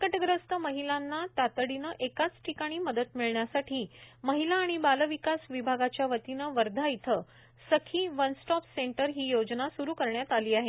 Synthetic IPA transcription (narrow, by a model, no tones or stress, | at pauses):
kəʈəɡɾəst̪əməɦilanːat̪at̪əɽinəʔekat͡sʈʰikaɽ̃iːməd̪ət̪miɭɳjasaʈʰiːməɦilaːɽ̃ibaləʋikasʋibʱaɡat͡ɕjaʋət̪inəʋəɾd̪ʱait̪ʰə | səkʰiːʋənsʈɔpseɳʈəɾɦiːjod͡znasuɾuːkəɾɳjat̪aliːaɦe